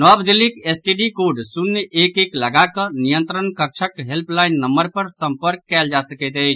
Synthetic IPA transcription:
nɔbd̪ilikesʈiɖikoɖsunːʔekekləɡakənijənt̪ɾənkək̚t͡ʃʰəkɦelpʰlaɪnːəməɾpəɾsə̃mpəɾkːɛld͡ʒasəkɛt̪əɪt͡ʃʰ

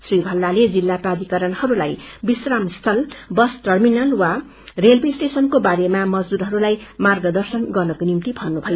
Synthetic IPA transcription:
sribʱʌlːaled͡zilːaprad̪ikʌɾʌnhʌɾulajbisramst̪ʰʌlbʌsʈʌrminʌlwa | relbisʈesʌnkobaɾemamʌd͡zd̪uɾɦʌɾulajmarɡʌd̪ʌrsʌnɡʌrnʌkonimt̪ibʱʌnnːubʱʌjo

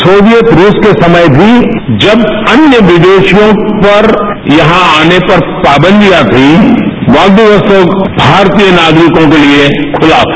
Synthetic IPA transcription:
soːʋjət̪ɾuːskesɐməjbʱi | d͡ʒɐbɐnjəʋɪd̪eːʃjõpɐɾ | jɐɦãaːnepɐɾpaːbə̃nd̪ʱijat̪ʰiʋaːld̪iʋəsoːɡbʱaːɾt̪ijənaːɡɾikõkeliekʰʊlaː

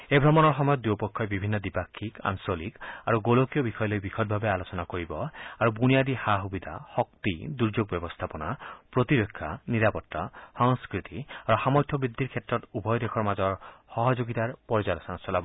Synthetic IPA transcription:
ebʱɾɔmɔnɔɾɦɔmɔjɔt̪d̪upɔkʰːɔebibʱinːɔd̪ipakʰːika̰nsolikaɾuɡolokjɔbikʰɔjɔlojbikʰɔd̪̚bʱabealot͡ʃɔnakoɾibɔaɾubunijad̪ihaɦubid̪ʱa̰hɔkt̪id̪uɾd͡ʒoɡ̚bjɔbɔst̪ʰapɔnapɾot̪iɾokʰːaniɾapɔt̪ːasɔŋskɾit̪iaɾuhamɔjt̪ʰːɔbɾid̪ːiɾkʰet̪ɾɔt̪ubʱɔjɔd̪ekʰɔɾmad͡ʒɔɾhɔɦɔd͡ʒoɡit̪aɾpɔɾid͡ʒalɔsɔnat͡ʃɔlabɔ

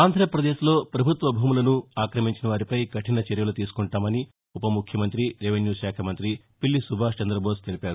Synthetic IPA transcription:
aːnd̪ʱɾɐpɾɐd̪eːʃlo̞ːpɾɐbʱut̪ʋɐbʱuːmulɐnuaːkɾɐmiɲt͡ʃinɐʋaːɾipɐjɡɐʈinɐt͡ʃeɾjɐlut̪iːsu̥kuɳʈaːmɐni | upɐmukʰjɐmɐnt̪ɾiɾeʋenjuːʃaːkʰɐmɐnt̪ɾi | pilːisubʱaːst͡ʃɐnd̪ɾɐboːst̪elipʲaːɾu

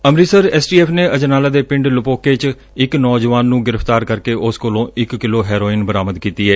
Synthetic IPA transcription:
əmɾiːsəɾɛːsʈiːɛːpʰneːʔəd͡ʒənaːlaːd̪eːpɪ̃ɳɖlʊpoːkeːt͡ʃ | ɪknɔːd͡ʒʋaːnːũːɡɪɾəpʰt̪aːɾkəɾkeːʔʊskolõːʔɪkːɪloːɦɛːɾoːɪnbəɾaːməd̪kiːt̪iːɛː

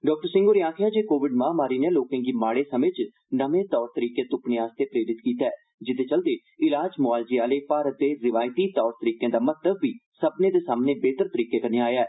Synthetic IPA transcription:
ɖɔːk̚ʈəɾsɪ̃ŋɡoːɾeaːkʰjaːd͡ʒeːkoːʋɪɖmãːmaːɾiːneːloːkãːɡiːmaːɽeːsəmẽːt͡ʃ | nəʋẽːt̪ɔːɾt̪əɾiːkeːt̪ʊpneːaːst̪eːpɾeːɾɪt̪kiːt̪aɛː | d͡ʒɪt̪ʰeːt͡ʃəld̪eː | ɪlaːd͡ʒmʊaːld͡ʒiːaːleːpaːɾət̪̚d̪eːɾɪʋaːjt̪iːt̪ɔːɾt̪əɾiːkẽːd̪aːmət̪ləbːiːsəbnẽːd̪eːsaːmneːbeːt̪əɾt̪əɾiːkeːkəneaːjaːɛː

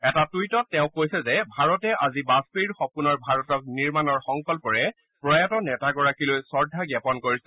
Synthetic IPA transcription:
ɛtatujtɔtːɛʊ̃kojsɛzɛbʱaɹɔtɛʔazibaspiɹxɔpunɔɹbʱaɹɔtɔk̚niɹmanɔɹxɔŋkɔlpɔɹɛ | pɹɔjatɔnɛtaɡɔɹakilojsɔɹdʱaɡɛpɔnkoɹisɛ

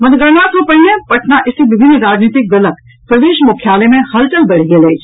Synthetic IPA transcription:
mɐnɡɐɾnat̪ʰõpɐɽĩẽpɐʈʰnaʔɪsibɪbʱɪnːɾaːd͡ʒniːt̪ɪk̚ɡɐlək | pɾɐd̪eːʃmʊkʰjaːlemẽhɐlʈəlbɐɽ̤ɡeleːd͡ʒ

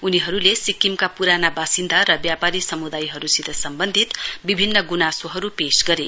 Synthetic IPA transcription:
uniɦʌɾulesikimkapuɾanabasind̪ʱaɾʌbjapaɾisʌmud̪ajɦʌɾusid̪ʱʌsʌmbʌnd̪ʱit̪bibʱinːʌɡunasoɦʌɾupesɡʌɾe

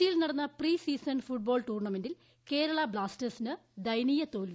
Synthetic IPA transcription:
ijilnɐɽɐnːɐpriːsiːsɐnfuʈ̚bo̞ːɭʈuːrɳɐmendil | ke̞ːɾɐɭɐbɭaːstɐsinɨd̪ɐjniːjɐt̪oːlʋi

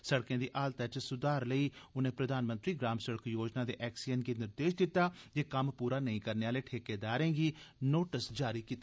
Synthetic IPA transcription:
səɽkjãːd̪iːʔaːlt̪aːt͡ʃsʊd̪aːɾləiːʊnẽːpɾəd̪aːnmə̃nt̪ɾiːɡɾaːmsəɽəkjoːd͡ʒnaːd̪ḛːʔɛːksijənɡiːnɪɾd̪eːʃd̪ɪt̪ːaːd͡ʒeːkəmpuːɾaːnəĩːkəɾneːaːleːʈʰeːkeːd̪aːɾẽːɡiːnoːʈəsd͡ʒaːɾiːkiːt̪a

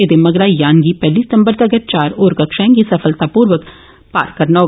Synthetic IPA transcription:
eːd̪eːməɡɾaːjaːnɡiːpɛːliːsɪt̪əmbəɾd̪aɡəɾ̚t͡ʃaːɾoːɾkəkʃãŋɡiːsəpʰəlt̪aːpuːɾʋək | pa̰ːɾkəɾnaɦoː

